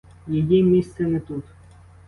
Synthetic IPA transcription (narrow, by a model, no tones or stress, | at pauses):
jɛjimʲist̪sɛnɛt̪ut̪